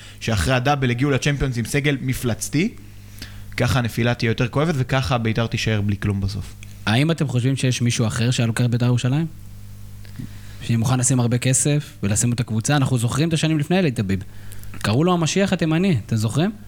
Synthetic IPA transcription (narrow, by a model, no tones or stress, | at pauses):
ʃeaχʁeadabeleɡiulat͡ʃempio̞nzimse̞ɡe̞lmiflat͡st̪i | kaχanefilat̪ijɛjo̞t̪e̞ʁkoe̞vet̪vekaχabeit̪aʁt̪iʃae̞ʁbliklumbaso̞f | aimate̞mχo̞ʃvimʃe̞jeʃmiʃuaχe̞ʁʃejalokeabetajeʁuʃalaim | ʃanimuχanlasimaʁbe̞kese̞fvelasimot̪akvut͡saːnaχnuzo̞χʁimet̪aʃanimlifnejleit̪abibkaʁuloamaʃiaχat̪e̞maniat̪e̞mzo̞χʁim